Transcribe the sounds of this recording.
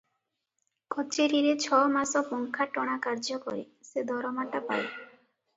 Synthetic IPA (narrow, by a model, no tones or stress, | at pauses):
kʰɔt͡ʃeɾiɾet͡ɕʰɔmasɔpɔŋkʰaʈɔɽ̃akaɾd͡ʒɔkɔ̰ɾi | sed̪ɔɾɔmaʈapa̰j